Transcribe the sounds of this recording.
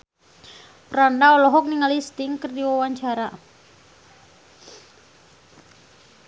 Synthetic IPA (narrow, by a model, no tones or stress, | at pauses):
pəɾandaɔlɔɦɔk̚niŋalist̪ɪŋkərdiwawaɲt͡ʃaɾa